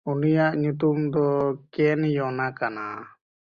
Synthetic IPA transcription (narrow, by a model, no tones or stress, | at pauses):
unijaʔɲut̪̬umd̪ɔkɛnjɔnakana